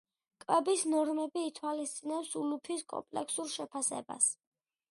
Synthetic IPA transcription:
kʼwɛbisnɔɾmɛbiːt̪ʰwalist̪sʼinɛpsulupʰiskʼɔ̰mpʼlɛksuɾʃɛpʰasɛ̰ba̰s

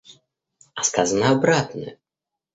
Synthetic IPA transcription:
ɐskazənəabɾat̪nɨ̰

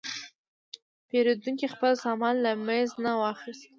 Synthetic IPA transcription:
peɾod̪uŋkixpəlsɑmɑnlamanznawɑxist̪̚

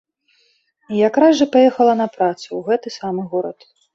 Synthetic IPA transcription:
ijakɾazʐɐpajɛxɐlˠɐnɐpɾat̪suwɣɛt̪ɨsamɨɣɔɾɐ̰t̪

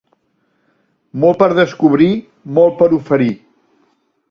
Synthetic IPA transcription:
mɔlˠpəɾðəskuβɾi | mɔlˠpəɾufəɾi

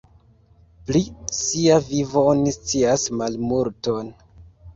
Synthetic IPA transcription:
plisiavivoonist͡siasmalmuɾton

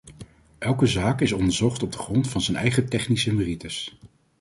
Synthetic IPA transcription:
ʔɛlˠkəzaːkɪsɔndəɹzɔχtɔb̚dəχrɔntfɑnzənɛ̰jχətɛχnisəmeritəs

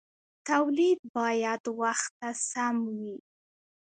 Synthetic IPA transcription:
t̪awlid̪̚bɑjad̪waxt̪ːasamwi

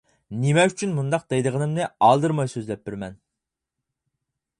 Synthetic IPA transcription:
nemɛyt͡ʃʰynmund̪ɑq̚d̪ejd̪əʁənɨmnɨɑlˠd̪ɨɾmɑjsøzlɛp̚bɪɾmɛn

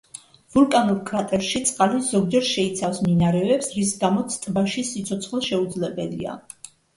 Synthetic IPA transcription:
vulkʼanulkʰvat̪ʼɛlʃit̪sʼqʼalizɔɡd͡ʒɛɾʃɛit̪sʰafsminaɾɛvɛpsɾis̬ɡamɔt̪sʰt̪ʼbaʃisit̪sʰɔt̪sʰχlˠʃɛud̪zlɛbɛlḭa̰

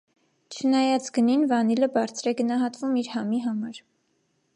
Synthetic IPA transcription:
t͡ʃʰənɑjɑt͡sɡəninvɑniləbɑɾt͡sʰɾɛɡənɑɦɑt̪vumiɾhɑmiɦɑmɑɾ

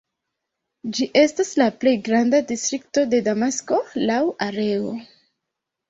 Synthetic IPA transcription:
d͡ʒiʔe̞staslaple̞jɡɾandadistɾik̚to̞de̞damasko̞lawaɾe̞o̞̰

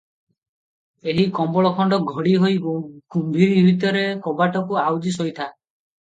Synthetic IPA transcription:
eɦikɔmbɔɭɔkʰɔɳɖɔɡʱɔɽiɦojɡumbʱiɾiubit̪ɔɾekɔbaʈɔkuawd͡ʒisojt̪ʰa

